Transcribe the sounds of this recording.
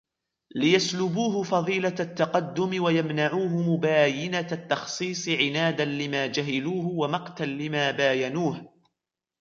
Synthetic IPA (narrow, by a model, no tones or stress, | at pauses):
lɪjaslʊbuːɦʊfɑðˤiːlat̪ːɑqɑd̪ːʊmɪwajamnaʕuːɦʊmʊbaːjɪnat̪ːɑxsˤiːsˤɨʕɪnaːd̪anlɪmaːd͡ʒaɦaluːhʊwamɑqt̪anlɪmaːbaːjanuːh